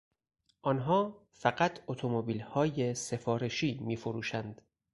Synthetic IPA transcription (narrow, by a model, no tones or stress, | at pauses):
ʔɒnɦɒː | fæɢæt̪ʰot̪ʰo̞mobiːlhɒːje̞se̞fɒːɾe̞ʃiːmiːfoɾuːʃænd̪̥